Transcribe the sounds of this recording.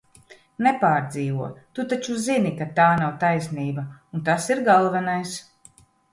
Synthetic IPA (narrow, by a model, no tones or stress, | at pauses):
nepaːɾd̪ziːvuɔt̪ut̪at͡ʃuzinikat̪aːnawt̪ajsniːbaunt̪asiɾɡalˠvɛnajs